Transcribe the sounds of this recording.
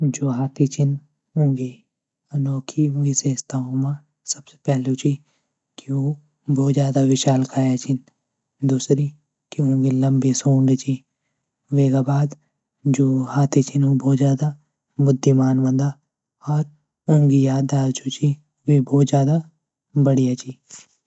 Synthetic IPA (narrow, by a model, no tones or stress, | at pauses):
d͡ʒoːɦaːt̪ʰit͡ʃʰin | ʊ̃ŋɡi | ɐnɔːkʰiɦʊ̃ŋɡiseːst̪aõmã | sɐb̥se̥pɛɦlut͡ʃi | kio | bɔːt̪zjaːd̪aʋɪʃaːlkʰaːjat͡ʃʰɪn | d̪uːsɾi | kiɦʊ̃ŋɡilɐ̃mbesũːɳɖt͡ʃi | ʋeːɡabaːd̪ | d͡ʒoːhaːt̪ʰet͡ʃʰinobɔːt̪zjaːd̪a | mʊd̪ʱːimaːnbɐ̃nd̪a | ɔːɾ | ɐ̃ŋɡijaːd̪aːd̪t͡ʃʰut͡ʃi | ʋebɔːt̪zjaːd̪a | bɐɽijat͡ʃiː